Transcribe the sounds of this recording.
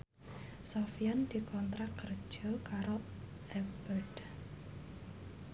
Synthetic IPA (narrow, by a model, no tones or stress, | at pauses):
sɔfijand̪̥i̤kʰɔnt̪ɾakərd̥ʒ̥ɔ̤kaɾo | ɛbəld̥